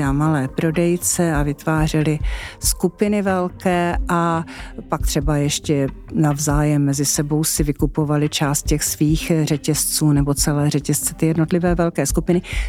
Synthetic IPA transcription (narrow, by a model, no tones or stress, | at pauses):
amalɛːpɾo̞dɛjt͡sɛavɪt̪vaːr̝ɛlɪskupɪnɪvɛlkɛːʔapak̚t̪r̝̥ɛbajɛʃcɛnavzaːjɛmːɛzɪsɛbo̞wsɪvɪkupo̞valɪt͡ʃaːst̪̚cɛxsviːxr̝ɛcɛst͡suːnɛbo̞t͡sɛlɛːr̝ɛcɛst͡sɛ̥t̪ɪjɛdno̞t̪lɪvɛːvɛlkɛːskupɪnɪ